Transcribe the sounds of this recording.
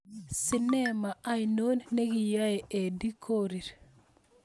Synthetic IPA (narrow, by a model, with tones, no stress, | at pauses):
si˨ne˦ma˨a˦jno˦nːe˦ɡi˨ja˦e˨e˨di˦kʰo˦ɾi˨ɾ